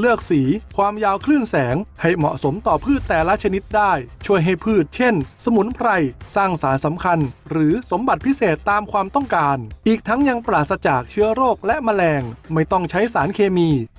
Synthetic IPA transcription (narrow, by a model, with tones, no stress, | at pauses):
lɯ˥˩ək̚siː˩˦kʰwaː˧mjaː˧wkʰlɯː˥˩nsɛː˩˦ŋha˥˩jmɔ̰˨˩ʔso˩˦mt̪ɔː˨˩pʰɯː˥˩t̪ːɛː˨˩la˦˥t͡ɕʰa˧ni˦˥t̪̚daː˥˩jt͡ɕʰu˥˩əjɦa˥˩jpʰɯː˥˩t̪̚t͡ɕʰe˥˩nsa˧mu˩˦npʰɾa˧jsaː˥˩ŋsaː˩˦nsa˩˦mkʰa˧nɾɯː˩˦so˩˦mba˨˩t̪̚pʰi˦˥seː˨˩t̪ːaː˧mkʰwaː˧mt̪ɔ˥˩ŋkaː˧nʔiː˨˩k̚t̪ʰa˦˥ŋja˧ŋpɾaː˨˩t̪̚sa˧t͡ɕaː˨˩k̚t͡ɕʰɯ˦˥ɐɾoː˥˩k̚lɛ˦˥ʔma˧lɛː˧ŋma˥˩jt̪ɔ˥˩ŋt͡ɕʰa˦˥jsaː˩˦nkʰeː˧miː˧